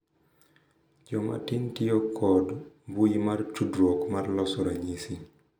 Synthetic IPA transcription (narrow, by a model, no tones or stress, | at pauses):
d͡ʒɔma̰tɪntɪɔkʰɔdbujimart͡ʃudɾwokmarlɔsɔɾaɲisi